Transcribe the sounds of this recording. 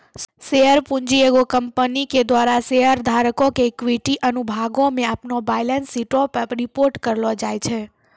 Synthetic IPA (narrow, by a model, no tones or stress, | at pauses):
ʃeəɾpũɲd͡ʒieɡokəmpəniked̪ʋaɾaseɦəɾd̪ʱaɾəkokeːkʋiʈiʔənubʱaɡomẽapnobajlənsːiʈopəɾipoɾʈkəɾlod͡ʒajt͡ʃʰe